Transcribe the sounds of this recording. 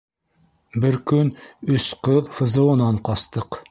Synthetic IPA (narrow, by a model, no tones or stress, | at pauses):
bɘɾkɵnɵsqɤðfɤ̆zɤ̆wɤ̆nɑɴqɑst̪ɤq